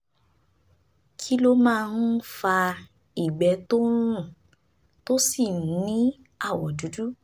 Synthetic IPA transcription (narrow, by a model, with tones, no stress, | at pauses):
kʰi˦lo˦mãː˦˧nũ˦fa˧ | i˨ɡ͡bɛ˨˦to˦ɾ̃ũ˦˨ | to˦si˦˨nũ˨˦nĩ˦ | a˦˨wɔ˨du˨˦du˦